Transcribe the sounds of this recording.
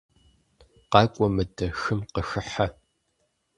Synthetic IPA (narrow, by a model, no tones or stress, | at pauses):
qɑːkʷʼɔmɨdʼɐxɨmqəxɨħa